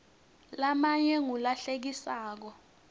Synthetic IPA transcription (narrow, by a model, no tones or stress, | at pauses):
lamaɲɛŋulaɬek̬isaːk̬ɔ